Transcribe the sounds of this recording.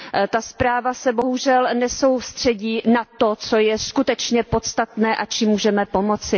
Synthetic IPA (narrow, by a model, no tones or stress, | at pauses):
t̪aspɾaːvasɛbo̞ɦuʒɛlnɛso̞wst̪r̝̥ɛɟiːnat̪o̞t͡so̞jɛskut̪ɛt͡ʃɲɛpot̪st̪at̪nɛːʔat͡ʃiːmːuːʒɛmɛpo̞mo̞t͡sɪ